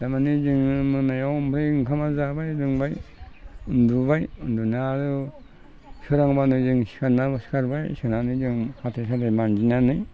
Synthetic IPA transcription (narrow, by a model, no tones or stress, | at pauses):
d̥amanizɯŋmɯnajawmpʰɾeŋkʰamazabajdɯŋbaj | undubajundunaɾɯ | sɯɾaŋbanɯzɯŋsi̥kʰaɾnabasi̥kʰaɾbajsɯnanizɯŋhatʰes̬adamand͡ʒinanɯj